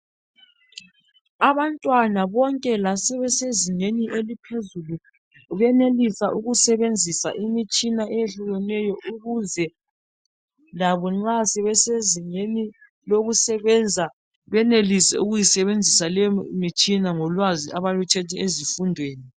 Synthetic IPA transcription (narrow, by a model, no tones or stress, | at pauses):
aβantʼwanaβɔŋkʼɛlasɛβɛseziŋeniʔelipʰezulu | βɛnelisaʔuɣusɛβend͡zʱisa̰ʔimit͡ʃʼinaʔɛjeɬuɣɛnɛjɔʔuɣuzɛ | laβɔŋ͡ǁasɛβɛseziŋeni | loɣusɛβɛnd͡zʱa | βɛnelisɛ̰uɣujisɛβend͡zʱisalɛmit͡ʃʼinaŋɔlwaziaβalutʰɛtʰɛezifundʱweːni